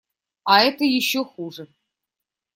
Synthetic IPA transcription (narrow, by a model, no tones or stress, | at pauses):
ɑɛt̪əjɪɕːoxuʐə